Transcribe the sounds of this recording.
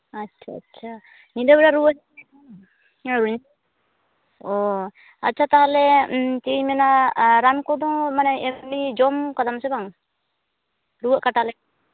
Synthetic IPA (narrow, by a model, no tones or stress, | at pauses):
atːt͡ʃʰa̰ːtːt͡ʃʰa | nid̪abɛɾaɾuwəʔs | ɾuɲ | ɔ | a̰tːt͡ʃʰat̪aɦalɛt͡ʃiɲmɛnaɾankɔd̪ɔŋmanɛɛmid͡ʒɔmkad̪amsɛbaŋ | ɾuwəʔkaʈalɛ